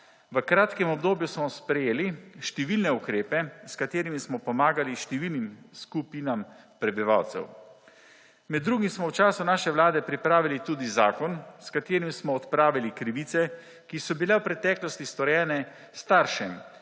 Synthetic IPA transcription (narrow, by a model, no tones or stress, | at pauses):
ʋəkɾaːt̪kɛmɔbd̪oːbjusmɔspɾɛjeːliʃt̪ɛʋilnɛukɾeːpɛskat̪eːɾimismɔpɔmaːɡaliʃt̪ɛʋilnimskupinam | pɾɛbiʋa̰wt̪sɛ̰w | mɛd̪ːɾuːɡimsmɔwt͡ʃaːsunaːʃɛʋlaːd̪ɛpɾipɾaːʋilit̪uːd̪izaːkɔnskat̪eːɾimsmɔːt̪pɾaːʋilikɾiʋiːt̪sɛ | kisɔbilɛwpɾɛt̪ɛːklɔst̪ist̪ɔɾjɛːnɛ | st̪aɾʃɛm